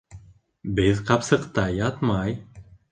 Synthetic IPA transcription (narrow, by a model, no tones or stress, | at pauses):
bɘðqɑpsɤ̆qt̪ɑjɑt̪mɑj